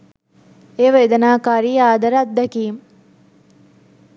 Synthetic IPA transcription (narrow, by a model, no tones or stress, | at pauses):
eːʋɐed̪ɐnaːkaːɾiːaːd̪ʱɐɾat̪̚d̪ɐkiːm